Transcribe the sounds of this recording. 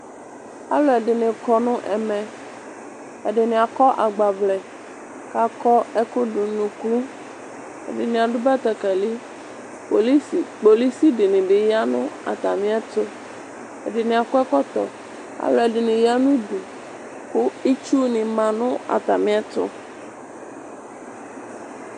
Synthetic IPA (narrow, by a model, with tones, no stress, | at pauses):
a̰˦lɔ˨ɛ˨ɖɪ˨nɪ̃˨kɔ˨nʊ̃˦ʔɛ̰˨mɛ̃˨ | ɛ˨ɖɪ˨nɪ̃˨a˨kɔ˦ʔa˨ɡ͡ba˨blɛ˨ | ka˨kɔ˦ɛ˦kʊ˦ɖʊ˨nũ˨klu˦ | ɛ̰˨ɖɪ˨nɪ̃˨a˨ɖʊ˦bɛ˦t̪ɛ˨kɛ˨li˦ | po˨li˦si˨k͡po˨li˦si˦ɖɪ˨nɪ̃˨bɪ˨ja˦nʊ̰̃˦a̰˨t̪a˨mɪ̃˦a˦t̪ʊ˦ | ɛ̰˨ɖɪ˨nɪ̃˨a˨kʊ˦ɛ˦kɔ˦t̪ɔ̰˨ | a̰˨˦lɛ˨ɖɪ˨nɪ̃˨ja˦nũ˦ɖu˨ | kʊ˦i˦t͡ʃu˦nɪ̃˨mã˨nʊ̃˦a̰˨t̪a˨mɪ̃˦a˦t̪ʊ̰˦